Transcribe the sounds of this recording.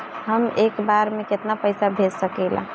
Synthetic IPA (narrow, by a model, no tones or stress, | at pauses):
ɦəmekbaɾmeket̪napəjsabʱesəkɛlã̰